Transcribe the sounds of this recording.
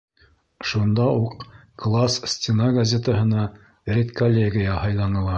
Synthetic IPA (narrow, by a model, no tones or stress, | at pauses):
ʃund̪ɑuq̚klˠassʲtʲɪnaɡɐzʲet̪əɦɤ̆nɑ | rʲet̪kolʲːeɡʲɪjɑhɑjlˠɑnɤ̆lˠɑ